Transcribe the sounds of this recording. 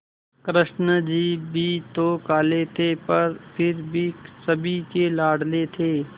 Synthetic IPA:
kɾɪʃnəd͡ʒiːbʱiːt̪oːkaːlet̪ʰepɐɾpʰɪɾbʱisɐbʱikelaːɽlet̪ʰeː

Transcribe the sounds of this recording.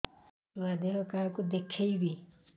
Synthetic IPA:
uwad̪eɦɔkaɦkud̪ekʰejbi

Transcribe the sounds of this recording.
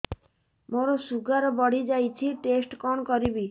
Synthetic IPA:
moɾɔsuɡaɾɔbɔɽ̤id͡ʒajt͡ʃʰiʈesʈkɔɳɔkɔɾibi

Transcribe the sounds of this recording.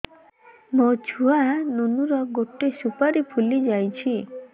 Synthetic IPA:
mot͡ʃʰuanunuɾɔɡoʈesupaɾipʰulid͡ʒajt͡ʃʰi

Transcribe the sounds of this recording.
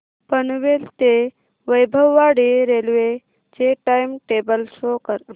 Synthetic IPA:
pənuʋelt̪e | ʋəjbʱəwːaːɽeɾelʋe | d͡ʒeʈajmʈeːbəlsoːkəɾ

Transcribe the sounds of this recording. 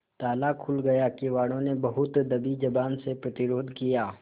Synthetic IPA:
t̪aːlakʰʊlɡɐjakiʋaːɽ̃õnebɐɦʊt̪d̪ɐbid͡ʒɐbaːnsepɾɐt̪ɪɾoːd̪ʱkijaː

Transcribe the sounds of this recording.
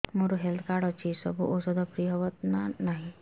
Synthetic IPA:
moɾuɦelt̪ʰkaɽɔt͡ɕisəbʱṵʔosɔd̪ʱɔpɾiəʋət̪nanaɦi

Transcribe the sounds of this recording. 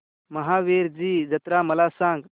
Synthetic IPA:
məɦaʋeɾd͡ʑiːd͡ʒɐt̪ɾaməlasãŋɡ

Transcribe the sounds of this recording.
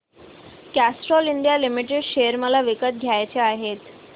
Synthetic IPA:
kæsʈɾɔliɳɖjalimiʈeɖɕejəɾməlaʋikət̪̚ɡʱjajt͡ɕeaɦet̪

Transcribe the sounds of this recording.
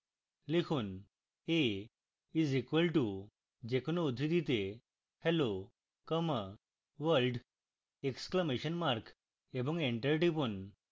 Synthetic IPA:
likʰuːn | e | izikʋəlʈu | d͡ʑekʰonoud̪ʱɾid̪it̪e | hɛlo | kəmə | ʋəɾlɖ | ekskləmeɕənmaɾk | ebɔ̃ŋɡẽɳʈaɾiʈipun

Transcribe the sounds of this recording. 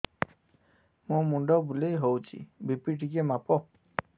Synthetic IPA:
mũmuɳɖɔbulejɦowt͡ʃʰḭbipiʈʰikemapɔ

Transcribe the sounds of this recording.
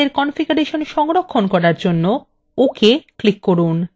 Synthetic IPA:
eɾkɔnfiɡaɾeʃonʃɔŋɾokʰːonkɔɾaɾd͡ʑonːo | okeklikːoɾun

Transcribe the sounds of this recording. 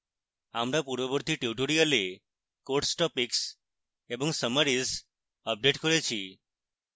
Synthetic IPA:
amɾapuɾʋəbɔɾt̪iʈuʈoɾiale | koɾʈsʈɔpiks | ebɔŋsəməɾis | əp̚ɖeʈkɔɾet͡ʃʰi

